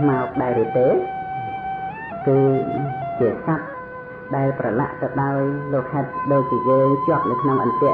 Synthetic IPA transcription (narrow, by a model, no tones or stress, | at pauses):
maɔk̚ɗaɛɾiət̪eː | kɨːt͡ɕiəsat̪̚ | ɗaɛlprɑla̰ʔt̪ɨɗaɔjloːk̚ʰhaɛt̪̚ɗoːc̚t͡ɕiəjəːŋt͡ɕŏəp̚nɨwkʰnoŋʔɑ̰mp̪ɛ̆ə